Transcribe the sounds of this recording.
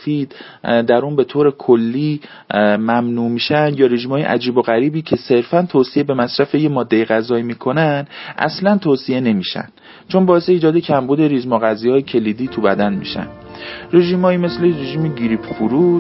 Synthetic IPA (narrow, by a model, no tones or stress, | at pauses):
fiːd̪̥ | d̪æɾuːnbe̞t̪ʰoːɾe̞kʰolːiː | mæmnuːmiːʃænd̪jɒːɾe̞ʒiːmɒːjḛʔæd͡ʒiːboɣæɾiːbiːcʰe̞se̞ɾfænt̪ʰoːsiebe̞mæsɾæfe̞jemɒːd̪ːe̞jeɣæzɒːimiːkʰo̞nænd̪̥ʔæ̰slænt̪ʰoːsie̞ne̞miːʃæ̰nd̥ | t͡ʃʰonbɒːe̞se̞iːd͡ʒɒːd̪e̞cʰæmbuːd̪e̞ɾiːzmɒɣæzijɒːjecʰe̞liːd̪iːt̪ʰubæd̪ænmḭʃæ̰nd̪̥ɾe̞ʒiːmhɒːjiːme̞sleɾeʒiːmeɟiɾiːpfuɾu